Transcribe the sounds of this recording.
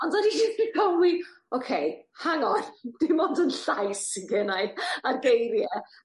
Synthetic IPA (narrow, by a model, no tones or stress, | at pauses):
ɔndɔdidiikʰɔwi | okʰejhaŋɔnd̥ɪmɔndənɬajsɡʰɛnajarɡejrjɛ